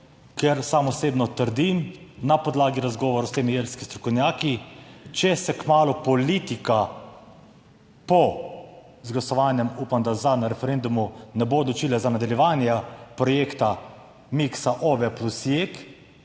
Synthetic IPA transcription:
kɛɾsamɔseːbnɔt̪əɾd̪imnapɔd̪laːɡiɾazɡɔːʋɔɾɔst̪eːmijelskist̪ɾɔkɔwnʲjaːkit͡ʃɛsɛkmaːlupɔliːt̪ika | pɔ | zɡlasɔʋaːnjɛmuːpamd̪azanaɾɛfɛɾend̪umunɛboɔd̪lɔt͡ʃiːlɛzanad̪ɐljɛʋaːnjɛpɾɔjeːkt̪a | miksaʔoʋɛplusjek

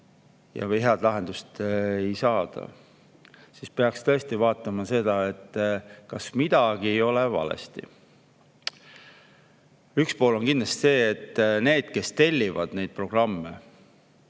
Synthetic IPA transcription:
jɑ̰vɤjɦeɑd̪̥lɑɦe̞nd̪ust̪ejsɑːd̪̥ɑ̰ | sispeɑkst̪ɤest̪ivɑːt̪ːˑɑmɑse̞d̪̥ɑe̞t̪ˑːkɑsmid̪̥ɑɡ̥iejo̞levɑ̰lḛst̪ḭ | ykspo̞ːlo̞nkind̪lɑst̪i̥se̞ːet̪ːne̞ːd̪̥̚ke̞st̪e̞lʲːivɑd̪̥ne̞jd̪̥̚pro̞ɡ̥rɑmːe

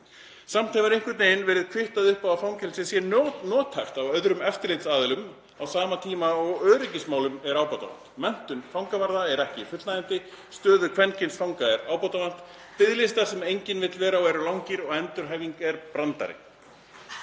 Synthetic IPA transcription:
sam̥t̪ʰɛvaɾeŋkʏt̪neːjnvɛːɾɪðkʰvɪht̪aðʏhpawafawŋcɛlsɪsjɛnnɔːt̪ʰhajft̪avœðɾʏmɛft̪ɪɾlejt̪saːðɪlʏm | awsaːmat̪ʰiːmaɔɣœːɾɪcɪsmaːwlʏmɛɾaːwpat̪a̰a̰n̥t̪mɛn̥t̪ʏnfawŋkavaɾðaɛɾɛhcɪifʏt̪naðɪn̥t̪ɪ | st̪œːðʏkʰvɛncɪnsfawŋkaɛɾaːwpɔwt̪avan̥t̪ | pɪðlɪst̪asɛmejɲcɪnvɪt̪lvɛːɾaɔwvɛːɾʏlawŋcɪɾɔɣɛnt̪ʏɾ̥ɦajviŋkɛɾpɾant̪a̰ɾɪ̰

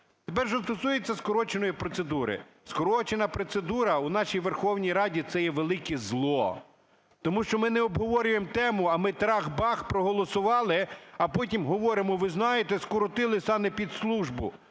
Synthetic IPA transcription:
t̪epɛrʒɛst̪ɔsujet͡sʲːɐskɔɾɔt͡ʃenɔjipɾɔt̪sed̪uɾɪ̰ | skɔɾɔt͡ʃenɐpɾɔt̪sed̪uɾɐunɑʃijʋerxɔwnʲijɾɑdʲit̪sɛjɛʋelˠɪkɛzlˠɔ̰ | t̪ɔmuʃt͡ʃɔmɪnɛɔbɦɔʋɔɾʲʊjemt̪ɛmʊɐmɪt̪ɾɑxbɑxpɾɔɦɔlˠɔsʊʋɑlˠɪɐpɔt̬ʲimɦɔʋɔɾɪmɔʋɪznɑjet̪ɛskɔɾɔt̪ɪlˠɪsɑmɛpʲid̪slˠuʒbʊ̰

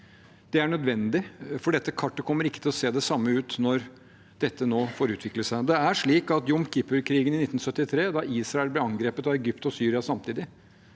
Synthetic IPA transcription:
d̪̥ɛæɳœd̪ʋɛnd̪ɪfɔɖɛt̪ːəkʰɑʈːəkʰɔmːəɾɪkːət̪ʰɪlɔseːd̪ɛsɑmːəʉːt̪nɔɾ | d̪̥ɛt̪ːənoːfoːɾʉːt̪ʰʋɪkləʂæɪd̪ɛæʂɭiːkɑt̪jʊmkʰɪpəɾkʰɾiːɡənɪnɪt̪ːn̩sœt̪ːɪt̪ʰɾeːd̪ɑʔiːsɾɑɛlblɛɑŋɡɾeːpət̪ɑʋɛɡʏpt̪ɔsyːɾɪɑsɑmt̪ʰiːd̪ɪ

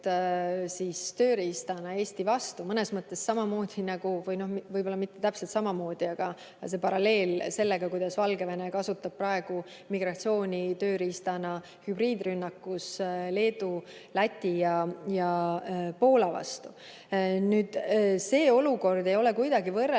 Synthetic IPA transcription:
sist̪ø̞ːɾiist̪ɑnɑe̞ːst̪ivɑst̪umɤne̞smɤt̪ːˑe̞ssɑmɑmo̞ːd̪̥inɑɡ̥uvɤjno̞hmvɤjbo̞lːɑmit̪ːe̞t̪æpselt̪sɑmɑmo̞ːd̪̥iɑɡ̥ɑ | se̞pɑɾɑle̞ːlse̞lːe̞ɡ̥ɑkujd̪̥ɑsvɑlɡe̞ve̞nekɑsut̪ːˑɑb̥̚prɑe̞ɡ̥u | miɡrɑt̪sio̞ːnʲit̪ø̞ːɾist̪ɑnɑ | hybriːd̪rynːɑkːusle̞ːd̪̥ulæt̪ʲːijɑjɑpo̞ːlɑvɑ̰st̪u | nyːd̪̥se̞ːo̞luko̞rd̪̥e̞jo̞le̞kujd̪ɑɡivɤr

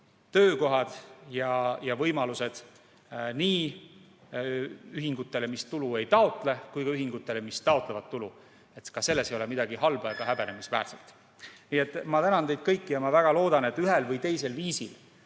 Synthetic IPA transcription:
t̪ø̞ːko̞ɦɑd̪̥jɑjɑvɤjmɑluse̞d̪̥ | niː | yɦiŋɡ̥ut̪ːˑe̞le̞mist̪ulue̞jt̪ɑo̞t̪ˑle̞kujɡ̥ɑyɦiŋɡ̥ut̪ːˑe̞le̞mist̪ɑo̞t̪ˑlevɑt̪ːulu | e̞t̪kɑse̞lːe̞sejo̞lemid̪ɑɡ̥ihɑlb̥ɑjɑɡ̥ɑɦæbe̞nemisvæ̰ːɾselt̪ˑ | niːet̪ːˑmɑt̪ænɑnt̪e̞jd̪̚kɤjkːijɑmɑvæɡ̥ɑlo̞ːd̪ɑne̞t̪ːˑyɦelvɤjt̪e̞jse̞lviːsil

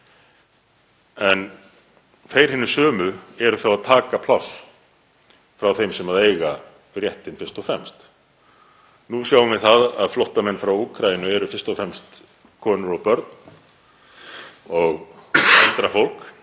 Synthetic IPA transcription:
ɛn | θejɾ̥hɪnːɪ̥sœːmʏɛɾʏθawaðt̪ʰaːkapʰl̥aws | fɾawθejmsɛmaðeːjɣa | rjɛht̪ɪnfɪ̥st̪ɔfɾɛmst̪ | nusjawʏmvɪθaða̰ðflɔwht̪amɛnːfɾawuːkʰɾajɪnʏɛɾʏfɪ̥st̪ɔfɾɛmst̪ | kʰɔnʏɾɔpœɾt̪n̥ | ɔɣalt̪ɾafowl̥k

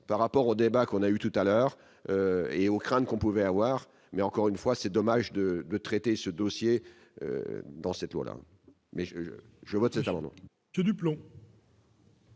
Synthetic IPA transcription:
paʁːapɔʁod̪ebakɔ̃nayt̪ut̪alœːʁ | øeokχɛ̃t̪kɔ̃puvɛavwaːʁ | mɛɑ̃kɔʁynfwasɛd̪ɔmaʒd̪əd̪ət̪χɛt̪esəd̪osje | ø̰d̪ɑ̃sɛt̪lwa̰la̰ | mɛʒə̰ | ʒəvɔt̪sɛt̪amɑ̃d̪mɑ̰̃ | əd̪yplɔ̃

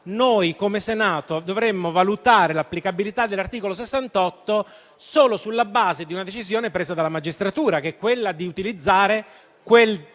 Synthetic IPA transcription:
nojkomesenaːt̪od̪ovɾemːovalut̪aːɾelapːlikabilit̪ad̪ːelːart̪iːkolos̬esːant̪ɔt̪ːo | soːlosulːabaːzed̪iunad̪et͡ʃizjoːnepɾeːzad̪alːamad͡ʒist̪ɾat̪uːɾakeɛkːwelːad̪iut̪ilid̪zːaːɾe | kwel

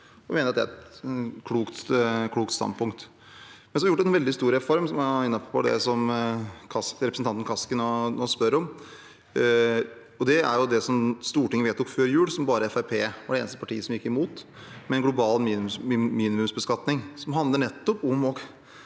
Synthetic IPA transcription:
ɔʋɪmeːnəɾɑt̪d̪ɛæ̰ɾɛt̪kʰluːkt̪kʰluːkt̪st̪ɑ̰npʰʊŋk̚t̪ | mɛnsɔɑjʊʈd̪ɛnʋɛld̪ɪst̪uːɾɛfɔɾmsɔmɑɪnːɑppʰːɔ̰d̪ɛ̰sɔmkʰɑsɾɛpɾəsn̩t̪ɑnt̪ən̩kʰɑskənɔnɔspœɾɔm | ɔd̪ɛæ̰ɾjʊd̪ɛsɔmst̪uːʈɪŋːəʋeːt̪ːɔkføːɾjʉːɽsɔmbɑːɾəɛfæɪpʰeːʋɑɖɛeːnəst̪əpɑʈʰiːəsɔmjɪkːɪmuːt̪ | mɛɛnɡlʊbɑːlmiːiːnɪmʉmsbəskɑt̪nɪŋsɔmɦɑnd̪ləɳɛt̪ːɔpʊmɔɡ

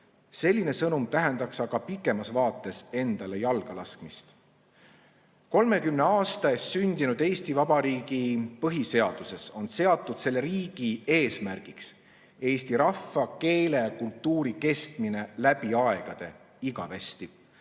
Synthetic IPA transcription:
se̞lʲːine̞sɤnumt̪æɦe̞nd̪̥ɑksɑɡ̥ɑpikːˑe̞mɑsvɑːt̪ːˑe̞se̞nd̪̥ɑle̞jɑlɡ̥ɑlɑskmist̪ | ko̞lme̞kymne̞ɑːst̪ɑesːynʲd̪̥inud̪̥e̞ːst̪ivɑb̥ɑɾiːɡ̥ipɤɦise̞ɑd̪̥use̞so̞nse̞ɑt̪ːˑud̪̥se̞lːeɾiːɡ̥ie̞ːsmærɡ̥iks | e̞ːst̪iɾɑfːɑke̞ːle̞jɑkult̪ːuːɾike̞st̪mine̞læb̥iɑe̞ɡ̥ɑd̪̥e̞ | iɡɑve̞st̪i

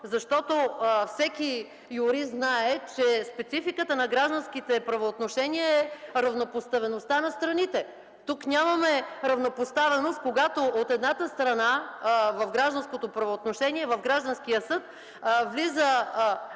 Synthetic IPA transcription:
zɐʃt̪ɔt̪ofsɛki | juɾiznaɛt͡ʃɛspɛt̪sifikət̪ənɐɡɾaʒd̪ənskit̪ɛpɾɐvoːt̪noʃɛniɛɛɾɐvnopost̪ɐvɛnost̪anɐst̪ɾɐnit̪ɛ | t̪uknʲamɐmɛɾɐvnopost̪avɛnost̪̚koɡat̪oʔot̪ɛd̪nat̪əst̪ɾɐnavɐfɡɾaʒd̪ɐnskot̪opɾɐvoːt̪noʃɛniɛvɐvɡɾaʒd̪ənsk̟ijəsɤt̪̚ | vlizə

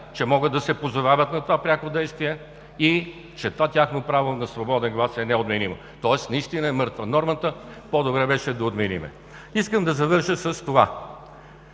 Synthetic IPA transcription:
t͡ʃɛmɔɡəd̪d̪ɐsɛpozovavət̪nɐt̪ovapɾʲjakod̪ɛjst̪viɛ | i | t͡ʃɛt̪ovat̪ʲaxnopɾavonɐsvobɔd̪ɛnɡlˠasɛnɛod̪minimə̰ | t̪ɔɛsnɐist̪inəɛmɤɾt̪vənɔɾmət̪əpod̪obɾɛbɛʃɛd̪ɐod̪minḭmɛ̰ | iskəmd̪ɐzɐvɤɾʃəsɐst̪ova

